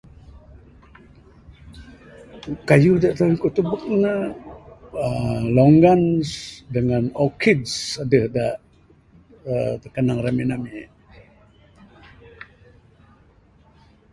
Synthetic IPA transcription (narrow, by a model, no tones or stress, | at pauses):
kajudaʔt̪aikuʔt̪ubuk̚nə | əloŋɡansdəŋanokʰidsadəhdaʔ | ət̪əkanaŋraminami